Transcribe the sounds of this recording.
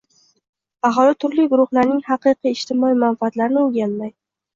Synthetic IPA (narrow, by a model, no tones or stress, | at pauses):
ɑɦɒlˠɪt̪ʰʊɾlɪɡʊɾʊχlaɾnɪŋhɑqɨjqiɪʃt̪ʰɪmɒimanfaːt̪laɾnɪʊɡʲanmaj